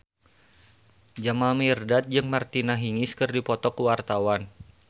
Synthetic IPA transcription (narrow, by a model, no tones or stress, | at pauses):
d͡ʒamalmirdat̪̚d͡ʒɨŋmart̪inaɦiŋɪskɨrdipɔt̪ɔkuwart̪awan